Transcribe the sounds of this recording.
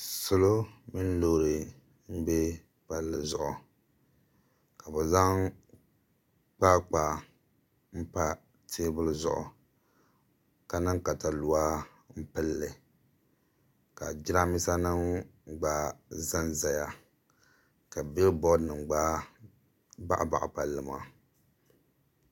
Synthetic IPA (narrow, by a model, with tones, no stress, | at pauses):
sʊ˦lo˦mi˦n˦loː˦ɾɨ˨ | m̩˦be˦ | pa˦lːɨ˨zʊ̰˨ʔʊ˨ | ka˨bɛ˨za˦ŋ | k͡pa˦k͡pa˨ | m̩˦pa˦ | tʰeː˦bʊ˦lzʊ̰˦ʔʊ̰˨ | ka˨nɨ˦ŋka˨ta˨lu˨a˦ | m̩˦pɨ˦lːɨ˨ | ka˨d͡ʒi˦ɾa˦mi˦sa˦nɨ˦ŋɡ͡baː˦za˦nza˨ja˨ | ka˨bi˦lbɔ˦dnɨ˨ŋɡ͡baː˦ | ba˦ʔa̰˨ba̰˨ʔa̰˨pa˨lːɨ˨ma˨